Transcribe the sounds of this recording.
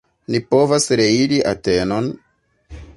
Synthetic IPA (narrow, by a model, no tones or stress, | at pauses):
nipo̞vasɾe̞iɾiʔa̰teno̞n